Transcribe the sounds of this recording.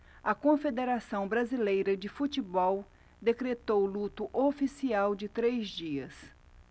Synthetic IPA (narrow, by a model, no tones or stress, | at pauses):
ɐkõfed̪eɾasɐ̃w̃bɾazilejɾɐd͡ʒɪfut͡ʃɪbɔw | d̪ekɾet̪owlut̪ʊʔofisiawd͡ʒɪt̪ɾejzd͡ʒiɐs